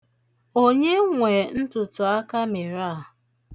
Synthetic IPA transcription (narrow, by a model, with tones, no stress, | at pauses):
o˦ɲe˦ŋʷe˨n̩˦tʊ˨tʊ˨a˦ka˦mɪ˨ɾa˦˨